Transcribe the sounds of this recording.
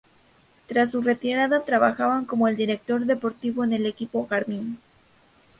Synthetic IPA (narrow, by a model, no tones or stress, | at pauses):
t̪ɾas̬ːure̞t̪iɾaðat̪ɾaβaxaβaŋko̞mo̞e̞ld̪iɾe̞k̚t̪o̞ɾðe̞po̞ɾt̪iβo̞ene̞le̞kipo̞kaɾmin